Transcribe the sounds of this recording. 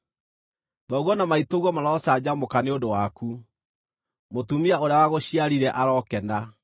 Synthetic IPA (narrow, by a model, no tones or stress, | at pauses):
ðɔɣɔnamaitoɣwɔmaɾɔːsad͡ʑamokaneodowaku | motumiaoɾeawaɣoɕiaɾiɾɛʔaɾɔkɛna